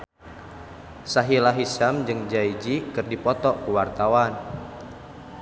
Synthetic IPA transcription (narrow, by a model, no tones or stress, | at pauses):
saɦilaɦisamd͡ʒɨŋd͡ʒaid͡ʒikɨrdipɔt̪ɔkuwart̪awan